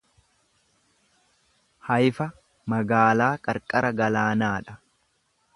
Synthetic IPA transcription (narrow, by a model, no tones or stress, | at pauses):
hɐjfɐ | mɐɡaːlaːkʼɐɾkʼɐɾɐɡɐlaːnaːᶑɐ̥